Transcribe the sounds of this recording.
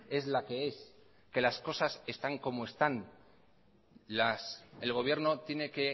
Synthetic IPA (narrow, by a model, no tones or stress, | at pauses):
e̞zlake̞e̞s | ke̞lasko̞sase̞st̪aŋko̞moe̞st̪an | laselɣ̞o̞β̞je̞ɾno̞t̪je̞ne̞ke̞